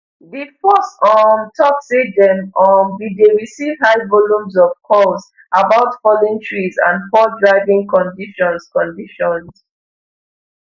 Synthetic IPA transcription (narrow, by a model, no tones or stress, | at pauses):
ðifɔstɔntʰɔksidɛ̃mɔdideɹisivhaɪvɔlũmzɔv̥kʰɔs | abaʊtfɔlĩntʰɹizã̰nfɔdɹaɪvĩŋkɔ̃ndiʃɔ̃nskɔ̃ndiʃɔ̃ns